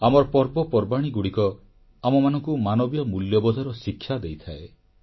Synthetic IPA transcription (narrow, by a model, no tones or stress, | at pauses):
amɔɾpɔɾbɔpɔɾbaɽ̃iɡuɽikɔ | amɔmanɔŋkumanɔbjɔmuljɔbɔd̪ʱɔɾɔsikʰːjad̪ejt̪ʰae